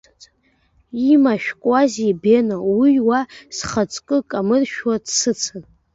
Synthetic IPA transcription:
imaʃᶣkʷʼazibenowiwasχat͡sʼkʼɨkʼamɨrʃᶣwadsɨt͡sʰɨn

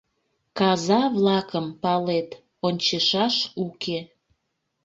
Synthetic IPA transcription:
kɑzɑβlɑkəmpɑlet̪ | onʲt͡ɕeʃɑʃukʰe

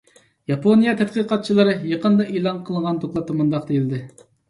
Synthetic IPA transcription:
jɑpʰonijɑt̪ʰɛt̪̚qəqɑt̪̚t͡ʃʰilˠɨɾɨjəqənd̪ɑʔelˠɑnqʰəlˠʁɑnt̪ʰotlˠɑt̪ːɑmund̪ɑq̚d̪ejild̪ɪ

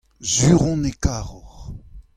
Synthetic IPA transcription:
zyʁɔ̃nekaːʁɔʁ

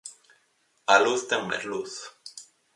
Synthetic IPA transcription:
aluθt̪eŋmḛzluθ

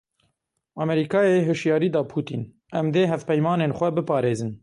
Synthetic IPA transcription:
ɑmɛɾiːkɑːjeɦɨʃjɑːɾiːd̪ɑːpʰuːt̪ḭːn | ʔɛmd̪eːɦɛfpɛjmɑːneːnxʷɛbɨpɑːɾeːzɨn

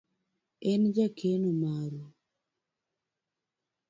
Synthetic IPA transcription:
ɛnd͡ʒakʰenomaɾu

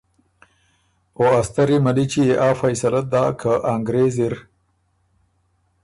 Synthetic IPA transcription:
oast̪ɐɾimɐlit͡ʃieʔaːfɐjsɐlad̪aːkʰaʔaŋɡɾeziɾ

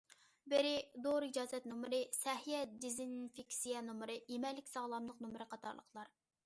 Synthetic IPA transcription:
bɪɾɪd̪oʁɾid͡ʒɑːzɛt̪numɾɨsɛɦijɛd̪izinfikʲsijɛnumɾɨjemɛlːɪkʲsɑʁlˠɑmlˠəqnumɾɨqʰɑt̪ʰɑ̰ɾlˠə̰χlˠɑɾ

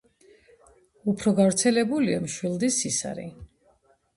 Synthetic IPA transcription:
upʰɾɔɡavɾt̪sʰɛlɛbuliamʃwilˠd̪isisa̰ɾḭ

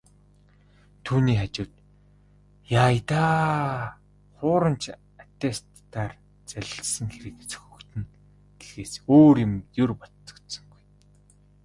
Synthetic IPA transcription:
t̪ʰuːniːχat͡ɕʊːt̪ | jaːjt̪aː | χʊːɾə̆mt͡ɕʰ | at̪est̪ː | aːr | t͡sæɮʲɪ̆ɬsə̆ŋxeɾɘ̆kt͡sɵ̥xʲɵ̆kt̪ʰɘ̆n | ɡexeːsoːrjɪ̆mjʊrpɔt̪t͡sɞ̥̆kt̪sɞ̆ŋɡuj

